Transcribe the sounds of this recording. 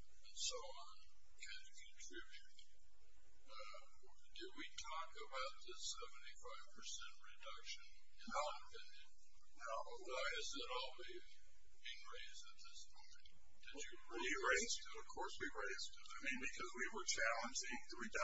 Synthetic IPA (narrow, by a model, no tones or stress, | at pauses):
ɨ̃nsoʊɑ̃n | kʰãɪ̃ndkʰɨ̃ntʰɹ̥ɪbjʉt̚ | ʌ | dɨd̚witʰɔkəbaʊt̪̚ðɨsɛvn̩tifaɪv̥pʰə˞sɛ̃nʔɹɨdʌkʃɨ̃n | ɨ̃ɨpʰɪ̃njɨ̃ | noʊ | waɪɨzɨɾɔlˠwiz | bɪ̃nɹeɪzdɨt̪̚ðɪsmõʊ̃mɨ̃n | ð̥ɨt͡ʃɨ | iɹeɪz̥tɨɾʌv̥kʰɔɹswiɹeɪz̥tʰɨaɪmĩnbɨkʰʌzwiwə˞t͡ʃʰælˠə̃nd͡ʒɪ̃ŋðɨwidʌ